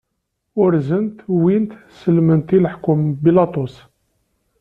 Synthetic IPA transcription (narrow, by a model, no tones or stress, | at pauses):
ʊɾzənt̪wint̪səlmənt̪iləħkʊmbilɑt̪ˤʊs